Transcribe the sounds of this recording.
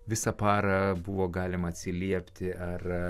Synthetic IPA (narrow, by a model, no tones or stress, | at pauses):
ʋʲɪsɐpɑːɾɐbʊʋoːɡɑːlʲɪmɐːt̪ʲsʲɪlʲiɛpʲt̪ʲɪʔɐr